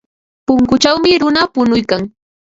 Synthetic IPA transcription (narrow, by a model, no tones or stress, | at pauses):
pʊŋkʊt͡ʃawmɪɾʊnapʊnʊjkaŋ